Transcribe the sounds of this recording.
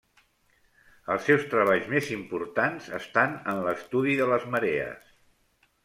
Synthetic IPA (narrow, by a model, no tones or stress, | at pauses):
əlˠsɛwst̪ɾəβ̞aʎzmezimpuɾt̪anzə̰st̪anənləst̪uðiðələzməɾeə̰s